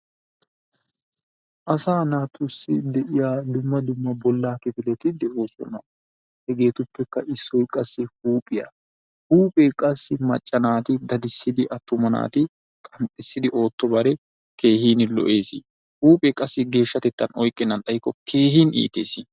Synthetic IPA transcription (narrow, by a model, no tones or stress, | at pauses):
ʔɐsaːnaːt̪ʰʊsːɪd̪ɛʔɪjaːd̪ʊmːɐd̪ʊmːɐbɔlːaːkɪfɪlɛt̪ɪd̪ɛʔoːsɔ̰nɐ | hɛɡe̞ːt̪ʊpːɛkːɐʔɪsːɔjkʼɐsːɪhuːpʼɪjɐ̰ | huːpʼeːkʼɐsːɪmɐt͡ʃʼːɐnaːt̪ɪd̪ɐd̪ɪsːɪd̪ɪʔɐt̪ːʊmɐna̰ːt̪ɪ | kʼɐnt̪ʼːɪsːɪd̪ɪʔo̞ːt̪ːɔbɐɾɛ | kʰe̞ːhiːnɪlɔ̰ʔe̞ːsɪ | huːpʼɛkʼɐsːɪɡe̞ːʃːɐt̪ɛt̪ːɐnɔjkʼːɪnːɐnt̪ɐjɪkːɔkʰe̞ːhiːnḭːt̪ḛːsɪ